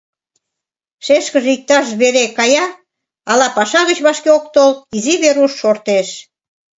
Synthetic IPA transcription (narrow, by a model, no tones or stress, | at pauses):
ʃeʃkəʒeik̚t̪ɑʃβeɾekɑjɑ | ɑlɑpɑʃɑɣət͡ɕβɑʃkeok̚t̪olt̪iziβeɾuʃːort̪eʃ